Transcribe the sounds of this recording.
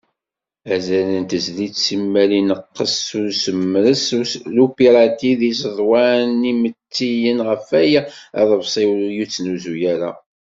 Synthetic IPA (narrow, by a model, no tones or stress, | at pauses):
æzælənt̪əzlisimːælinəqːəsʊɾsəmːɾəslupiɾˤɑt̪iðisəðˤwanimət͡sːijənʁəfæjæ̰ðˤəvsˤiwjut͡sːnuzujæɾa